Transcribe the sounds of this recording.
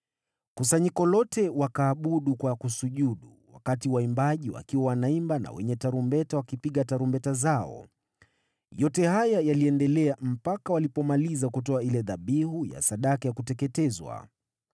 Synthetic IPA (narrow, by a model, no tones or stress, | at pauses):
kusaɲikɔlɔtɛwakaːɓuɗukwakusuʄuɗuwa̰katiwaimbaʄiwa̰kiwawanaimbana̰wɛ̰ɲɛtaɾumbɛtawakipiɠataɾumbɛtazaɔ̰ | jɔtɛhajajaliɛndɛlɛam̩pakawalipɔmalizakutɔailɛðaɓihuja̰saɗakajakutɛkɛtɛzwa̰